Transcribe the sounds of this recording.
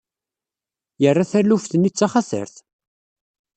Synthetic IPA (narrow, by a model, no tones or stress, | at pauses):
jərːaθæɾlufθənit͡sːaχaθə̰ɾθ